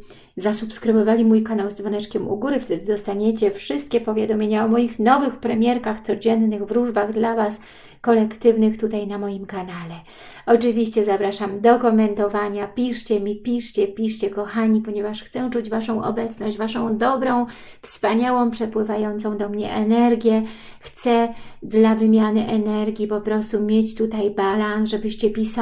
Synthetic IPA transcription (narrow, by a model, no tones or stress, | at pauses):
zasupskɾɘvɔvalʲimujkanawzd̪vɔnɛt͡ʂkʲɛmṵɡuɾɘft̪ɛd̪ɘd̪ɔst̪aɲet͡ɕɛfʂɘst̪̚kʲɛpɔvʲjad̪ɔmʲeɲaɔmɔjixnɔvɘxpɾɛmʲjɛɾkaxt̪sɔd͡ʑɛnːɘɣvɾuʐbaɣd̪lavas | kɔlɛkt̪ɘvnɘxt̪ut̪ajnamɔjimkanalɛ | ɔt͡ʂɘvʲiɕt͡ɕɛzapɾaʂamd̪ɔkɔmɛnt̪ɔvaɲapʲiʂt͡ɕɛmʲipʲiʂt͡ɕɛpʲiʂt͡ɕɛkɔxaɲipɔɲɛvaʂxt̪sɛt͡ʂud͡ʑvaʂɔ̃w̃ʔɔ̰bɛt̪snɔɕd͡ʑvaʂɔ̃w̃d̪ɔbɾɔ̃w̃ | fspaɲawɔ̃w̃pʂɛpwɘvajɔnt̪sɔ̃w̃d̪ɔmɲɛ̰ʔɛnɛɾɡʲjɛ | xt̪sɛd̪lavɘmʲjanɘʔɛnɛɾɡʲipɔpɾɔst̪umʲjet͡ɕt̪ut̪ajbalansʐɛbɘɕt͡ɕɛpʲis